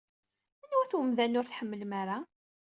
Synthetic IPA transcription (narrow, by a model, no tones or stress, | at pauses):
ænwæθwəmðænʊɾθħəmːəlmaɾˤa